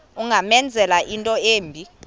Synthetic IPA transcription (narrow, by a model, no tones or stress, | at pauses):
uŋʱamɛnd͡zʱɛlaʔintʼɔeːmbʱi